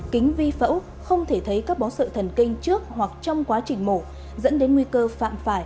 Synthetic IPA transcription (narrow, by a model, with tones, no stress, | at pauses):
kï˨˦ŋ̟vi˧fə̰˧˥w | xə˧wŋ͡mt̪ʰe˧˩t̪ʰə˨˦jkaː˦˥k̚ɓɔ˨˦sə̰ː˧˨t̪ʰə˨˩nkï˧ŋ̟t͡ɕɨ˦˥ək̚wa˨˩k̚t͡ɕɔ˧wŋ͡mkwaː˨˦t͡ɕï˨˩ŋ̟mo˧˩ | zə̰˧˥nɗe˨˦nŋwi˧kəː˧fa̰ː˧˨mfaː˧˩j